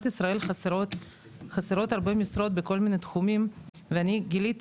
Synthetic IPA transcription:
t̪isʁae̞lχasɾot̪ | χaseɾo̞t̪aʁbemisɾo̞t̪̚beko̞lminet̪χumim | veaniɡilit̪

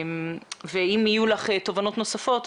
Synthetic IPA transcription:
mveimijulaχet̪o̞vano̞t̪no̞safo̞t̪

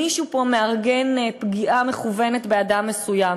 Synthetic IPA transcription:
iʃupo̞me̞aʁɡenpɡiʔame̞χuvenetbeadamːesujam

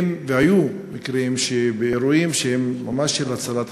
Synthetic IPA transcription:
mvehaju | mikɾeimʃebeeɾuimʃeɦemːamaʃːelat͡salat̪

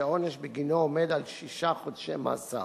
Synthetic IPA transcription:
aoneʃbeɡinoomed̪alʃiʃaχod̪ʃema̰ːsa̰

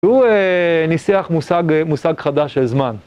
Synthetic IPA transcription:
uenisiaχmusaɡmusaɡχad̪aʃezman

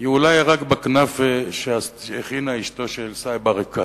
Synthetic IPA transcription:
iulajʁakbaknafeʃeaseχinaiʃt̪o̞ʃelsajbaʁeka

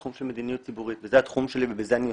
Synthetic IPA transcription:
χumʃelmed̪inijut̚t͡sibuʁit̪vezehat̪χumʃe̞livebezeani

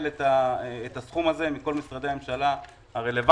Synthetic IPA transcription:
let̪aːt̪asχumaze̞miko̞lmisʁadeamemʃala | haʁe̞le̞va

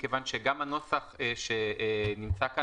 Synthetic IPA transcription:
kevanʃeɡamano̞saχeʃenimt͡saka

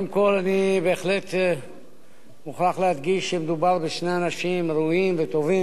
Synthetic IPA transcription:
dimko̞lanibeːχle̞t̪ | muχlaχlead̪ɡiʃːemed̪ubaʁbeʃne̞anaʃimɾuimvet̪o̞vi

